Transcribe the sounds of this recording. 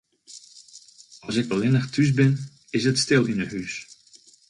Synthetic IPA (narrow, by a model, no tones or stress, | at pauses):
ɑlˠsɪkʋɛlˠɪnəχtʰys̬bɪn | ɪsɦətstɪlˠɪnətɦys